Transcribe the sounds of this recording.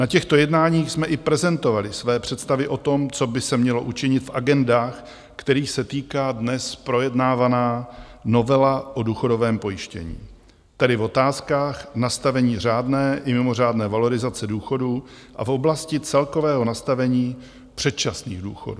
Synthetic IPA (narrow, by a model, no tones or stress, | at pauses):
nacɛxt̪o̞jɛdnaːɲiːxsmɛʔɪpɾɛzɛnt̪o̞valɪsvɛːpr̝̥ɛt̪st̪avɪʔo̞t̪o̞mt͡so̞bɪsɛmɲɛlo̞ʔut͡ʃɪɲɪt̪faɡɛndaːx | kt̪ɛɾiːxsɛt̪iːkaːdnɛspɾo̞jɛdnaːvanaːno̞vɛlaʔo̞duːxo̞do̞vɛːmpo̞jɪʃcɛ̰ɲḭː | t̪ɛdɪvo̞t̪aːskaːxnast̪avɛɲiːr̝aːdnɛːʔɪmɪmo̞r̝aːdnɛːvalo̞ɾɪzat͡sɛduːxo̞du | ʔa̰fʔo̞blascɪt͡sɛlko̞vɛːɦo̞nast̪avɛɲiː | pr̝̥ɛt̪̚t͡ʃasniːɣduːxo̞̰du